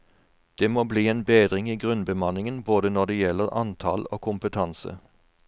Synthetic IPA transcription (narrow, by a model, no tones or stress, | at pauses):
d̪̥eːmoːbliːeːnbeːd̪ʁɪŋiːɡʁʉnbəmɑnɪŋənboːd̪ənɔd̪eːjɛlːəɾɑ̰nt̪ʰɑlo̰ːkʰʊmpət̪ʰɑnsə̰